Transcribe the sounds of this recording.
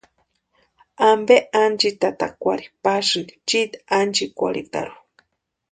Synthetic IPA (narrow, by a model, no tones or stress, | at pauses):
ambeʔand͡ʒit̪at̪akʷaɾipasɨt͡ʃit̪and͡ʒikʷa̰ɾḭk̪a̰ɾu̥